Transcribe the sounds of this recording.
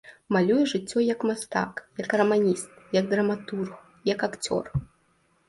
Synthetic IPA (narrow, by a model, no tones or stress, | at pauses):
malʲujɛʐɨt͡sʲːɔjɐkmast̪a̰kjɐkrɐmanʲist̪̚jɐɡd̪ɾɐmat̪urx | jɐkakt͡sʲɔ̰r